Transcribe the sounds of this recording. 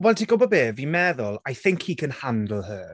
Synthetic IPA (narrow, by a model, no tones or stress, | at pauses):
wɛlˠtʰiɡʊbɔbeːvimɛðʊlˠajθɪŋkʰhikʰə̃nhandl̩ˠɦə